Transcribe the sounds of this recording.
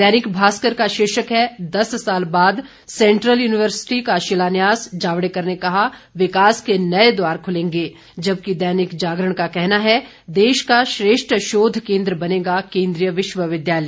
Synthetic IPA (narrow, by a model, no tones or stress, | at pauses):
d̪ɛːnɪkbʱaːskəɾkaʃeːʃəkɦɛd̪ɐsːaːlbaːd̪ | sɛ̃ɳʈɾəljuːnɪʋəɾsɪ̥ʈikaʃɪlaːnjaːsd͡ʒaːʋɽekɐɾnekɐɦaʋɪkaːskenɐed̪waːɾkʰʊlẽːŋɡeː | d͡ʒɐb̚kid̪ɛːnɪkd͡ʒaːɡɾəɳ̃kakɛɦnaɦɛ | d̪eːʃkaʃɾeːʃʈɾəʃoːd̪ʱkẽːnd̪ɾəbɐneːɡakẽːnd̪ɾijəʋɪʃwəʋɪd̪jaːlə